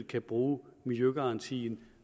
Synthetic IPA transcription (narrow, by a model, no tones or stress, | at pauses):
kʰæb̥ʁuːmilˠjøɡ̥ɑ̈ɑ̈nt͡sʰḭːn